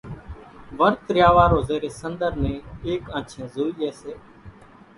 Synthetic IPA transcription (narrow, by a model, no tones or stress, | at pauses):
ʋəɾt̪ɾɪjaːʋaːɾoːzeːɾeːsənd̪əɾnẽːeːkãːt͡ʃʰẽːzuːiːeːseː